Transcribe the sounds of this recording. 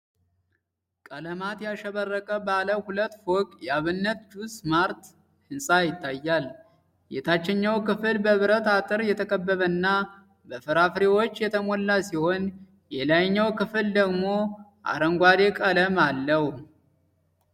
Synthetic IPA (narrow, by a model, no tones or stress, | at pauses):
kʼələmat̪jaʃəβərːəkʼəbaləhulət̪ːfokʼjɛaβɨnːət̪d͡ʒusmaɾt̪ | hɨnsʼajɪt̪ʰːajːal | jɛt̪ʰat͡ʃːɛɲːawkɨfɨlbəβɨɾət̪at̪ʼɨɾjɛt̪ʰəkʼəbːəβənːa | bəfɨɾafɾewot͡ʃːjɛt̪ʰəmɔlːasiho̞n | jɛlajɲːawkɨfɨld̪əɡmo̞ʔa̰ɾəŋɡʷad̪ekʼələmalːəhu